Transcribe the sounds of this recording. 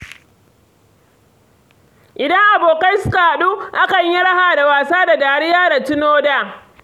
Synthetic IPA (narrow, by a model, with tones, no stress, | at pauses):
ʔɪ˨dɐ˦ŋʔa˨boː˨ka˦jsʊ˦ka˨ha˨ɗu˦ʔa˦kɐ˨ɲji˦ɽa˦haː˨da˨waː˨saː˦da˨daː˨ɽɪ˦jaː˦da˨tɪ˦noː˦daː˦˨